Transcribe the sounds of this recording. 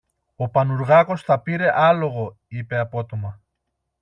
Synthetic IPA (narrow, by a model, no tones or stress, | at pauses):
opanuɾɣakost̪apiɾeʔaloɣo | ipeapot̪oma